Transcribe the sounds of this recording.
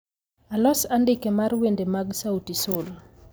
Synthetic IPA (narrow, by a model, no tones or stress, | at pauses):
alɔsandɪkemarwendemaɡsautisol